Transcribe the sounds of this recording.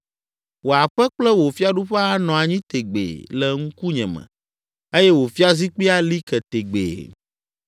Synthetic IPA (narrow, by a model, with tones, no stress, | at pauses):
wo˨a˨ɸɛ˦k͡plɛ˦wo˨fi˦a˦ɖu˦ɸɛ˦a˦nɔ̃˨a˨ɲĩ˦t̪e˨ɡ͡bḛ˨lɛ˨ŋ̩̃˦ku˦ɲɛ̃˨mɛ̰̃˨ | e˦jɛ˦wo˨fi˦a˦zi˦k͡pi˦a˦li˦kɛ˨t̪e˨ɡ͡bḛ˨